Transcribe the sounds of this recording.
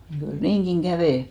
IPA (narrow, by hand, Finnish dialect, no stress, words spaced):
mut kyl niːŋɡ̊iŋ ɡ̊æʋeˑ